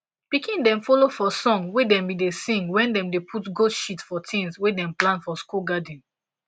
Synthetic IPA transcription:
pikĩndɛ̃mfolofɔsɔ̃ŋwedɛ̃mbidesĩŋɡwɛ̃ndɛ̃mdepʰutɡodʃitfɔtʰĩnswedɛ̃mplãnfɔskuɡadĩn

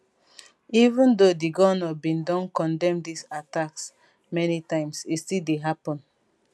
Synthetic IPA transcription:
ivũndodiɡɔnɔbĩndɔ̃nkɔ̃ndɛ̃mdisataks | mɛnitãɪ̃msistildeɦapɔ̃n

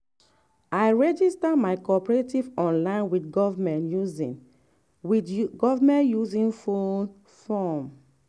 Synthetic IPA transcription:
ajɹɛd͡ʒistamaɪkɔpɹetivɔ̃nlãɪ̃nwidɡɔvamɛ̃njuzḭ̃n | widɡɔvamɛ̃ntjuzĩnfon | fɔm

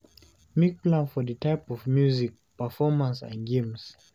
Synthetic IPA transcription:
mik̚plãnfɔðətʰaɪpɔvmjuzik̚ | pəfɔmãnsã̰nɡẽms

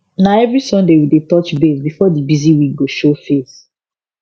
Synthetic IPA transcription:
naɛvɹisɔ̃ndewidetɔt͡ʃbezbifɔdibiziwĩkɡoʃofes

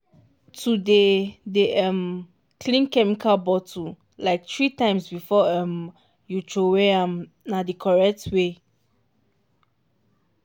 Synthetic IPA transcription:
tʰudedeʔɛ̃m | kʰlĩnkɛmikʰalbɔtʰu | laɪk̚tɹitãɪ̃msbifɔɛ̃m | jutʰowɛãm | nadikʰɔɹɛk̚tʰwe

